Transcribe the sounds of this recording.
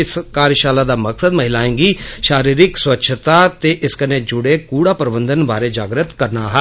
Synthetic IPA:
ɪskaːɾjəʃaːlad̪amɐksəd̪məɦɪlaːẽːŋɡiʃaːɾiːɾɪkswətːʃʰt̪at̪eʔɪskəned͡ʒʊɽekuːɽapəɾbə̃nd̪ənbaːɾed͡ʒaːɡɾət̪kɐɾnaɦɛː

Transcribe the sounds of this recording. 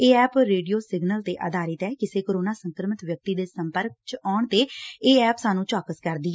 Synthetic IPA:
eːɛːpɾeːɖijoːsɪɡnəlt̪eːʔə̰d̪ʱaːɾɪt̪ɛːkɪseːkoːɾoːnaːsəŋkɾəmɪt̪ʋjək̚t̪iːd̪eːsəmpəɾk̚t͡ʃɔːɳt̪eːeːɛːpsaːnũːt͡ʃaːkəskəɾd̪iːɛ

